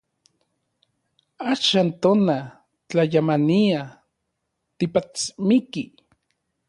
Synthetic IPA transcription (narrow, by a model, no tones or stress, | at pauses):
aʃant̪ona | t͡ɬajamania | t̪ipat͡smiki